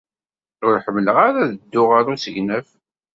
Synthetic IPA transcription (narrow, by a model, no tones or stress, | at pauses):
ʊɾħəmːləʁaɾaðəd̪ːʊʁaɾusəʝnæf